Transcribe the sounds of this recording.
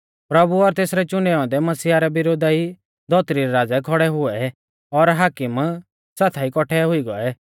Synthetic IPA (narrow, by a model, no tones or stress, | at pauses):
pɾɐbuɔɾt̪eːsɾɛt͡ʃʊɳɖɛːɔ̃d̪ɛmɐsiːaɾɛbɪɾoːd̪ai | d̪ʱɔːt̪ɾiɾɛɾaːd͡zɛkʰɔɽɛɦʊɛ | ɔɾɦaːkɪm | saːt̪ʰaikɔʈʰɛɦʊiɡɔɛ